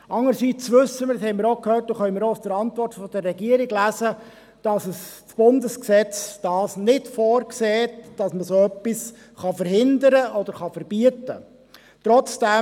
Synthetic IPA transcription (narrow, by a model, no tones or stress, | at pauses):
ɑŋəɾsit͡sʋɵsːəmɪɾshɛɪmɪɾokhøːt̚doχœʏmɪːɾoʊsd̥əɾɑntʋɔɾtfɔd̥ərːɛɡiəɾɪɡlæsə | d̥ɑsəst͡sb̥ʊndəsksɛt͡sd̥ɑːsnɪdfɔːɾkseːtd̥ɑsməsoːœpːis | χɑfəɾhɪndəɾəɔd̪əɾχɑfəɾb̥yətə | t̪ɾɔt͡sd̥ɛ